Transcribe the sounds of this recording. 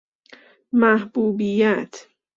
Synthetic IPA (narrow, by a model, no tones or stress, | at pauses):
mahbuːbijat̪ʰ